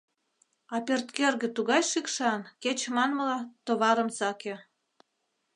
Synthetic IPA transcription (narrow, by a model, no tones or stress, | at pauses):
ɑpert̪kerɣĕt̪uɣɑjʃikʃɑnket͡ɕmɑnməlɑt̪oβɑɾəmsɑke